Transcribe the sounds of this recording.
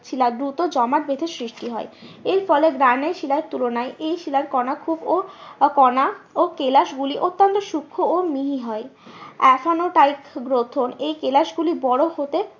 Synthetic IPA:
t͡ɕʰilad̪ɾut̪od͡ʑɔmaʈ̪̚bed̪ʱesɾiʃʈiɦɔeeɾfɔleɡɾaneɾʃilaɾt̪ulonaeʔejʃilaɾkɔnakʰubokɔnaokelaʃɡuliʔot̪ːont̪oʃukʰːoomiɦiɦɔeɛfʰanoʈajkɡɾot̪ʰonejkelaʃɡulibɔɽohot̪e

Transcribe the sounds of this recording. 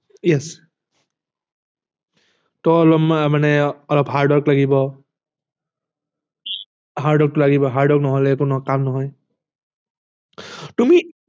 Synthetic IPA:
jɛs | tɔɔlɔmmanɛɔlɔpɦaɹdwɔklaɡibɔ | ɦaɹdɔk̚tʊlaɡibɔɦaɹdɔknɔɦɔlɛkʊnukamnɔɦɔj | tumi

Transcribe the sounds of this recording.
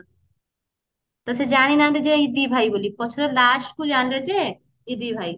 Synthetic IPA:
t̪ɐsed͡ʒaɽ̃inãnd̪ed͡ʒeid̪ibʱaibolipɔt͡ʃʰɾelasʈkud͡ʒanled͡ʒe | id̪ibʱai

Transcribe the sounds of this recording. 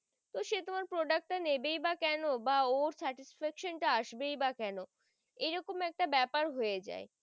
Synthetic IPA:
t̪oʃet̪omaɾpɾoɖak̚ʈ̚ʈːanebejbakɛnobaoɾsɛʈisfɛkʃonʈaaʃbejbakɛno | ejɾɔkomɛk̚ʈabɛpaɾɦojed͡ʑa̰e

